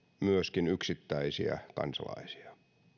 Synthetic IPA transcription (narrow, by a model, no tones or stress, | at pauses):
myøskinyksit̪ːæisiæ̰kɑ̰nsɑlɑ̰isi̥ɑ̥